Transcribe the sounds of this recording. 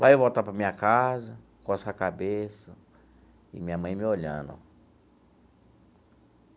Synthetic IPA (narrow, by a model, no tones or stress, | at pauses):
vajovot̪apɾɐmĩɲɐkazɐ | kɔsakabesɐ | ɪ̰mĩɲɐmɐ̃j̃mɪolʎɐ̰̃nd̪ʊ̰